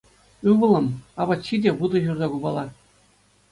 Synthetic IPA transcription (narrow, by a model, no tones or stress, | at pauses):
ɯʋɤ̆lˠɤ̆mɑʋɑt͡ɕːidʲeʋɯd̪ɤ̆ʑurzɑɡubɑlˠɑ